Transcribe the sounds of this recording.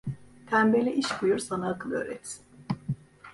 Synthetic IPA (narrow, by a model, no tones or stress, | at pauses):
t̪ʰæmbelʲɛʔiʃkujuɾsanaːkʰɯlˠø̰ːɾɛ̰t̪sin